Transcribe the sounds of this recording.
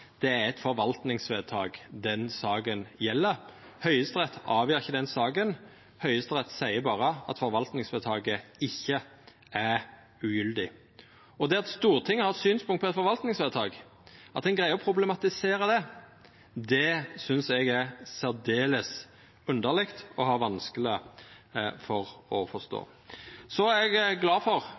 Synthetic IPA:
d̪̥ɛæɛt̪fɔɾʋɑlt̪nɪŋsʋed̪̚t̪ʰɑ̰ːɡd̪ɛnsɑːɡənjɛlːəɾ | hœʏəst̪ʁɛt̪ʰːɑːʋjyːɾɪçəd̪ɛnsɑːɡən | hœʏəst̪ʁɛt̪sæɪəbɑːʁəɑ̰t̪fɔɾʋɑlt̪nɪŋsʋɛːd̪t̪ʰɑːɡəɪçːə | æ | ʉjʏld̪ɪ | ɔd̪ɛɑt̪st̪uːʁt̪ʰɪŋːəhɑɾɛt̪syːnspʰʊŋt̪pɔɛt̪fɔɾʋɑlt̪nɪŋsʋɛʁt̪ʰɑːɡ | ʔɑt̪ɛɪnɡʁæɪɔpʰɾʊblɛmɑt̪ɪseːɾəd̪ɛ | d̪ɛsʏnsɛɡæɾsæʁd̪eːləs | ʉnd̪əʁlɛkt̪ɔɦɑːɾʋɑnskəlɪ | fɔʁɔfɔst̪o̰ː | sɔɛɡɡlɑːfɔʁ

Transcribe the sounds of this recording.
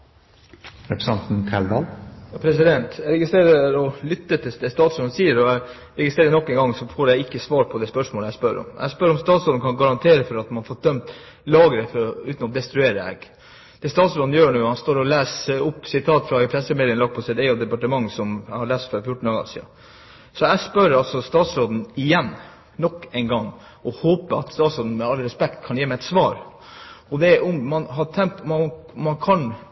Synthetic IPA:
ɾɛpɾəsɑnt̪n̩kʰæld̪ɑːlɑpʰɾɛsɪd̪ɛnt̪ʰæɾɛɡɪst̪ɾeːɾəɾɔlʏt̪ːət̪ʰɪsd̪ɛst̪ɑːt̪sɾɔnsiːəɾɔæɪ | ɾɛɡɪst̪ɾeːɾənɔkːɛŋɡɑŋsɔfoːɾjæɪɪkːəsʋɑːɾpʰɔd̪ɛspœʂmoːləæɪspœɾɔ̰mʔæ̰spœɾɔmst̪ɑːt̪sɔld̪n̩kʰɑnɡɑɾɑnt̪ʰeːɾəfɔɾɑt̪mɑnfoːɾd̪œmt̪ | lɑːɡəɾəfɔɾɔʉːt̪nɔd̪ɛst̪ɾʉeːɾəɛ̰ɡ | d̪̥ɛst̪ɑːt̪sɾɔnjøːɳʉːhɑnst̪oːɾɔlæːsʊpːsɪt̪ʰɑːt̪fɾɑɪpʰɾɛsəmɪd̪lənlɑɡ̚pʰɔsɛd̪ɛɪɔʋd̪ɛpɑʈəmɑŋːsɔmhɑɾɭæːst̪fœɾfjʊʈːɳ̩ɑːɡɑ̰sḭɑ̰ | sɔæspœɾɑlsɔst̪ɑːt̪sɾoːd̪n̩ɪjɛnː | nɔkːɛɪnɡɑŋː | ɔhoːpəɑ̰t̪st̪ɑːt̪sɾoːd̪n̩mɛɑlɾɛspɛkt̪kʰɑnjeːmæɛt̪sʋɑːɾ | ɔd̪ɛʔɔmːɑnɦɑʈʰɛŋt̪m | mːɑnkʰɑn

